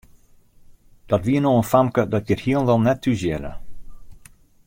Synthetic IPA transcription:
d̥ɔtʋiənoːənfamkədɔt̚jəthiəlˠnʋɛlˠnɛtʰːyzjɛlə̰

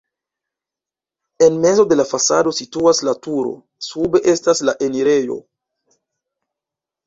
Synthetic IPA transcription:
enme̞zo̞d̪e̞lafasa̰do̞situaslatuɾo̞̰ | sube̞ʔestaslaʔeniɾejo̞̰

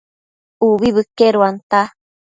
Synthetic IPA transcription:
uβiβɨkeɾuant̪a

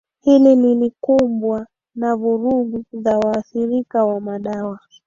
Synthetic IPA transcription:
hilililikumbwa | navuɾuɡuzawaːθiɾikawamaɗawa

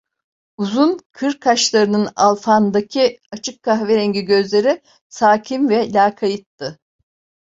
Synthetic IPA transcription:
uzunkʰɯɾkʰaʃlˠaɾɯnɯna̰lˠfand̪acʰiat͡ʃʰɯkʰːaxveɾɛɲɟiɟø̞zlʲe̞ɾi | saːcʰimvɛlʲaːkʰajɯt̪ːɯ

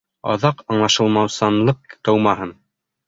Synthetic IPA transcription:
ɑ̰ðɑqɑɴlˠɑʃɤ̆lˠmɑwsɑnlˠɤq̚t̪ɤwmɑɦɤn

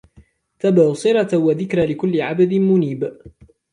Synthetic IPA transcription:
t̪abasˤɨɾɑwaðɪkɾalɪkʊlːɪʕabad̪ɪmʊniːb

